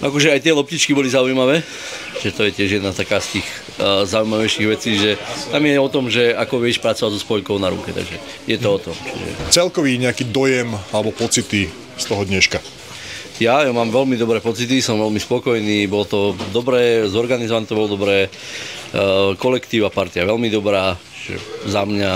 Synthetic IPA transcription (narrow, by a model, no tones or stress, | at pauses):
ʔakɔʒɛajt̪ɪɛlɔpciːt͡ʃkibɔlizaujmaʋɛː | ʒʒɛt̪ɔjɛcɪɛʒjɛd̪nast̪akaːst̪iːx | zaujmaʋɛjʃiːɣʋɛt͡siːʒɛt̪amjɛɔt̪ɔmʒɛakɔʋɪɛʃpɾat͡sɔʋazɔspɔjkɔʊnaɾṵkɛt̪a̰ɡʒɛ | jɛt̪ɔɔt̪ɔmt͡ʃḭʒɛ̰t͡sɛlkɔʋiːɲɛakiːd̪ɔjɛmalɛbɔpɔt͡sit̪i | st̪ɔɦɔd̪ɲɛʃka | jajɔmaːmʋɛlmid̪ɔbɾɛːpɔt͡sit̪̬isɔmʋɛlmispɔkɔjniːbɔlɔt̪ɔd̪ɔbɾɛːzɔɾɡanizɔʋanɛt̪ɔbɔlɔd̪ɔbɾɛː | kɔlɛkt̪iːʊʋapaɾt̪iaʋɛlmid̪ɔbɾaːt͡ʃiʒɛ̰zamɲa